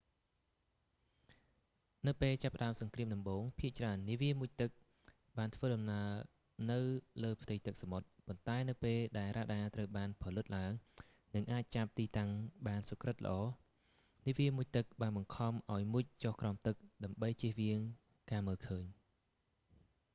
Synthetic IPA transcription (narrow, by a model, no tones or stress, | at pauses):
nɨwpeːlt͡ɕapːə̆ɗaəmsɑŋkriəmɗɑmɓoːŋpʰiəʔt͡ɕraənːiəʋiəmuəc̚t̪ɨk̚ | ɓaːnt̪ʰʋəːɗɑmnaəl | nɨwləːpʰt̪ɨjt̪ɨk̚samot̪̚pont̪aɛnɨwpeːlɗaɛlraːɗaːt̪rəwɓaːnpʰɑlɨt̪̚laəŋ | nɨŋʔaːc̚t͡ɕap̚t̪iːt̪aŋɓaːnsokrɨt̪̚lə̰̆ʔɑː | niəʋiəmuc̚t̪ɨk̚ɓaːnɓɑŋkʰɑmʔaɔjmuc̚t͡ɕohkraɔmt̪ɨk̚ɗaəmɓəjt͡ɕiəhʋiəŋ | kaːməːlkʰəːɲ